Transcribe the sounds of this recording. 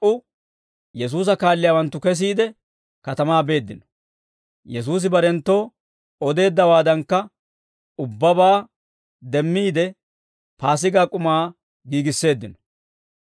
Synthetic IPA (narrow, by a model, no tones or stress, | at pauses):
ʔʊ | jɛs̬uːs̬ɐkaːlːɪjaːwɐnt̪ːʊkɛs̬iːd̪ɛ | kɐt̪ɐmaːbe̞ːd̪ːɪnɔ̥ | jɛs̬uːs̬ɪbɐɾɛnt̪ːo̞ː | ɔd̪e̞ːd̪ːɐwaːd̪ɐŋkːɐ | ʊbːɐbaː | d̪ɛmːiːd̪ɛ | paːs̬ɪɡaːkʼʊmaː | ɡiːɡɪsːe̞ːd̪ːɪnɔ̥